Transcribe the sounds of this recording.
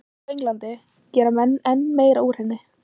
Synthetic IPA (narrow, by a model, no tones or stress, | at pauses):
ejŋlant̪ɪ | cɛːɾamɛnːɛnːmeːjɾaur̥hɛnːɪ